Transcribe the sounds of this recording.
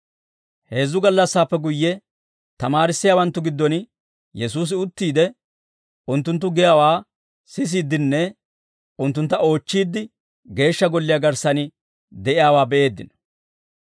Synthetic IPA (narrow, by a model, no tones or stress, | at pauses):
he̞ːzːʊɡɐlːɐsːaːpːɛɡʊjːɛ | t̪ɐmaːɾɪsːɪjaːwɐnt̪ːʊɡɪd̪ːɔn | jɛs̬uːs̬ɪʊt̪ːiːd̪ɛ | ʊnt̪ːʊnt̪̬ːʊɡɪjaːwaː | sɪs̬iːd̪ɪnːɛ | ʊnt̪ːʊnt̪ːɐo̞ːt͡ʃːiːd̪ːɪ | ɡe̞ːʃːɐɡɔlːɪjaːɡɐɾsɐnɪ | d̪ɛʔɪjaːwaːbɛʔe̞ːd̪ːɪnɐ